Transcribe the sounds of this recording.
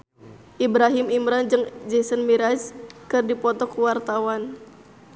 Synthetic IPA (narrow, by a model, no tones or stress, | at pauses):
ʔibɾaɦimimɾand͡ʒɨŋd͡ʒesənmiɾaskɨrdipɔt̪ɔkuwart̪awan